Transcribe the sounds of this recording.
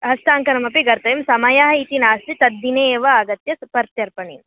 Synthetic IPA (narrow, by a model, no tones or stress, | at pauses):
ɦɐst̪aːŋkɐnɐmɐpiɡɐɾt̪ɐjɐmsɐmɐjaɦɐit̪inaːst̪it̪ɐd̪ːineːʋɐaɡɐt̪jɐspɐɾt̪jɐɾpɐɳḭm